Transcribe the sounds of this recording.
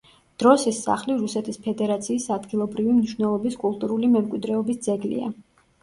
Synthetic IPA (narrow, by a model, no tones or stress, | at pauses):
d̪̥ɾɔsisːa̰χliɾusɛt̪ʰispʰɛd̪ɛɾat̪sʰiːsad̪ɡilˠɔbɾivimniʃwnɛlˠɔbiskʼulˠt̪ʼuɾulimɛmkʼwid̪ɾɛɔbisd̪zɛɡlḭa̰